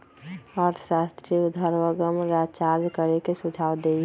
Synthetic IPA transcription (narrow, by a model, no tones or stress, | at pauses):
əɾt̪ʰə̥sast̪ɾiud̪ʱəɾʋəɡəmɾad͡ʒt͡ʃaɾd͡ʒkəɾekesud͡ʒʱawd̪ei